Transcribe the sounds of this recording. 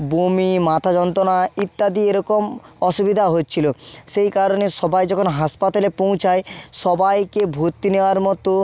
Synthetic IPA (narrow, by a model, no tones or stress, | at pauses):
bumimat̪ʰad͡ʑɔnt̪ɾonait̪ːad̪ieɾɔkomɔʃubid̪ʱaɦot̚ːt͡ɕʰiloʃejkaɾoneʃɔbajd͡ʑɔkʰonɦaspat̪alepow̃t͡ɕʰajʃɔbajkebʱut̪ːineoaɾmɔt̪o